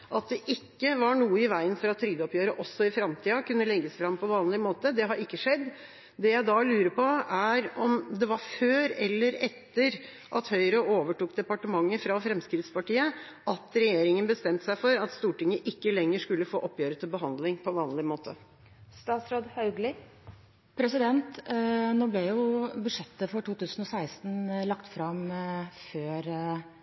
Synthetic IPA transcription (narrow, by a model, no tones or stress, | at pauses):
ʔɑt̪̚d̪ɛʔɪkːəʋɑɳuːəɪʋæɪənfɔɾɑt̪ʰːɾʏːd̪əɔpjøːɾəʔɔsːɔɪfɾɑmt̪ʰiːɑkʉnːəlɛɡːəsfɾɑmpɔʋɑːnlɪmoːt̪əd̪ɛɦɑɾɪkːəʂɛd̪ː | d̪ɛjæɪd̪ɑlʉːɾəpʰɔæɾɔmd̪ɛʋɑɾføːɾɛlːəɾɛt̪ːəɾ | ʔɑt̪hœʏɾəʔoːʋəʈuːkd̪ɛpɑʈəmɑŋːəfɾɑfɾɛmskɾɪt̪spɑʈiːə | ʔɑt̪ɾɛjeːɾɪŋənbəst̪ɛmt̪sæɪfɔɾɑt̪st̪uːʈɪŋəʔɪkːəlɛŋːəʂkʉlːəfoːʔɔpjøːɾət̪ʰɪlbəɦɑnd̪lɪŋpʰɔʋɑːnlɪmoːt̪ʰə | st̪ɑːt̪sɾoːd̪hɑʉɡlɪ | pʰɾɛsɪd̪ɛnt̪noːblɛjʊbʉd̪ʂɛt̪ːəfɔʈuːt̪ʉːsən̩ɔsæɪst̪n̩lɑkt̪fɾɑmføːɾ